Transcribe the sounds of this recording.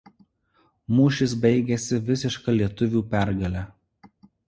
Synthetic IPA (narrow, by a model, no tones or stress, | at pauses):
muːʃʲɪsbʲɛɪɡʲɛsʲɪʋʲɪsʲɪʃkɐlʲiɛt̪ʊʋʲuːpʲæˑɾɡɐlʲæ